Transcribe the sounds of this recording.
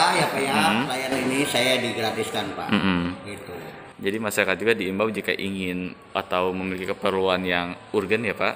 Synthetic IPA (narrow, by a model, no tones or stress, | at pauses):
ajapajam̩lajaninisajadiɡɾat̪iskanpa̰m̩m̩ɡit̪u | d͡ʒadimasaɾakat̪̚d͡ʒuɡadiːmbawd͡ʒika̰ʔiŋɪn | ʔat̪awməmilikikəpərluanjaŋurɡanjapaʔ